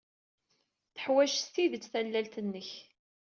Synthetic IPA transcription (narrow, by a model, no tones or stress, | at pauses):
θə̥ħwæʃst̪iðət͡sːθælːælt̪ənːəç